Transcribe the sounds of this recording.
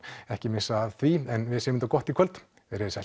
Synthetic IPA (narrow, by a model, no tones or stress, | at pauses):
ɛhcɪmɪsaðθviɛnvɪðsjʏmɪnt̪akɔht̪ikʰœlt̪ | ɪɾɪðsɛ̰